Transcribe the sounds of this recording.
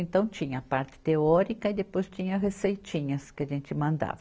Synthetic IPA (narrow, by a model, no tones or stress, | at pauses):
ẽnt̪ɐ̃w̃t͡ʃĩɲɐːpaɾt͡ʃ̪ɪ̥t̪eɔɾikɐɪd̪epojst͡ʃĩɲɐɦesejt͡ʃĩɲɐskɪɐʒẽnt͡ʃ̪ɪmɐ̃nd̪a̰vɐ